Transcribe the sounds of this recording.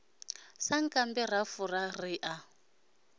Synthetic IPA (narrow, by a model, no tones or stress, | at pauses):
saŋ̩kʼambɛrafurariʔa